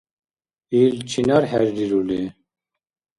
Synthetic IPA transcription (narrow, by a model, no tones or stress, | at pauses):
ilt͡ɕʰinaɾhɛɾd̪iɾule